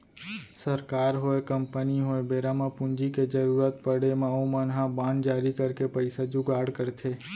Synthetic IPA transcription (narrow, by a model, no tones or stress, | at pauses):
səɾkaːɾɦoekəmpəniɦoebeɾamãpʊ̃nd͡ʒiked͡ʒəɾuɾət̪pəɽemãomənɦãbãːnd͡ʒaːɾikəɾkepəɪsad͡ʒʊɡaːɽkəɾt̪ʰe